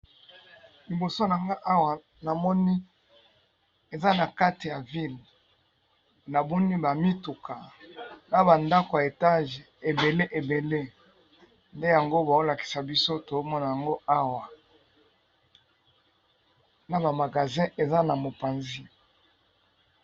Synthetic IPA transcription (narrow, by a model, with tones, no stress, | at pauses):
li˨bo˨so˦na˨ŋɡa˦ʔa˦wa˨ | na˨mɔ˦ni˦ | e˨za˦na˨ka˦ti˨ja˨vi˦l | na˨bo˦ni˦ba˨mi˦tu˨kʰa˨na˦ba˨nda˦ko˨ja˨e˨ta˦ʒe˨be˨le˦ʔe˨be˨le˦ | nde˦ja˨ŋɡo˦ba˨o˦la˨ki̥˨sa˨bi˦so˦to˨o˦mɔ˦na˨ja˨ŋɡo˦ʔa˦wa˨ | na˨ba˨ma˨ɡa˨zɛ̃˦ʔe˨za˦na˨mo˨pa˨nzi˦